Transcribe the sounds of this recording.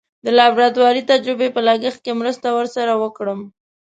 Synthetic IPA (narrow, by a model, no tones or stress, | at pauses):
d̪əlɑbɾat̪wɑɾit̪ad͡ʒɾɪbepəlaɡəx̚kemɾəst̪awəɾsaɾawəkɽəm